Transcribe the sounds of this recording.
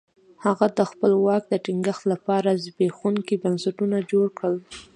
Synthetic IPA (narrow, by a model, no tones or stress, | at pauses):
haɣad̪əxpəlwɑk̚d̪əʈiŋɡəxt̪lapɑɾazbexuŋkibansaʈunad͡ʒoɽkɽəl